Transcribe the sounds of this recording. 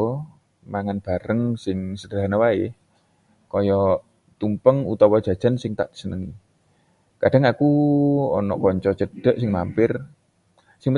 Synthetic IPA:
maŋanb̥a̤ɾəŋsɪŋsəd̥aɦanawaɪh | kɔjɔ | t̪umpəŋṵt̪ɔwɔd̥ʒ̥a̤d̥ʒ̥a̤nsɪŋt̪a̰ʔd̥i̥sənəŋ | kad̥a̤ŋakuɔnɔʔkɔɲt͡ʃɔt͡ʃəd̥ə̤ʔsɪŋma̰mpɪr | sɪŋp

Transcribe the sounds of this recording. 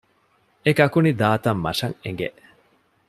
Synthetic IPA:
ekɐkunid̪aːt̪ɐmːɐ̰ʂɐŋeŋɡḛʔ

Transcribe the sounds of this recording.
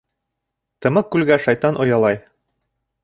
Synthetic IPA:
t̪ɤ̆mɤq̚ːʉlɡæʃɑjt̪ɑnʔŏjɑlˠɑj

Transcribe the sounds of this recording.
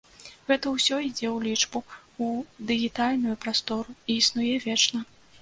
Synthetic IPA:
ɣɛt̪ɐwsʲɔid͡zʲɛwlʲit͡ʂbuud̪ɨɣʲit̪alʲnujupɾast̪ɔɾuiːsnujɛvʲɛt͡ʂnɐ

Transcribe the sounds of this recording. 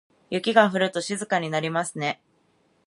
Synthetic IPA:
jɯ̟kʲiɡaɸɯ̟ɾɯ̟t̪o̞ɕizɨkaɲ̟inaɾʲimasɨne̞

